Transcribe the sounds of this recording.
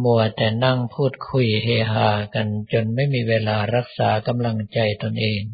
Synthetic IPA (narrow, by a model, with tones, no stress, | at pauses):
mu˧˩ɐt̪ɛː˨˩na˥˩ŋpʰuː˥˩t̪̚kʰu˧jheː˧ɦaː˧˩ka˧nt͡ɕo˧nma˥˩jmiː˧weː˧laː˧ɾa˦˥k̚saː˩˦ka˧mla˧ŋt͡ɕa˧jt̪o˧nʔeː˧ŋ